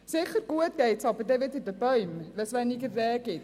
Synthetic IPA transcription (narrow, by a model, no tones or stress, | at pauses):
sɪχərɡ̥uətɡ̥eɪtsɑbərdɛʋɪtɪdəbœɥmvɛlsʋɛniɡərrɛːɡ̥ɪt